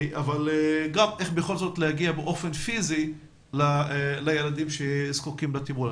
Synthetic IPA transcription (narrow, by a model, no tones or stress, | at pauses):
ʔavalɡameχbeχo̞lzo̞t̪lehaɡiabeʔo̞fenfizi | lalajelad̪imʃezkukimlat̪ibula